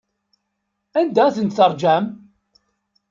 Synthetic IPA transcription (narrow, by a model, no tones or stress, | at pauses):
ænd̪æθənt̪θəɾˤd͡ʒæm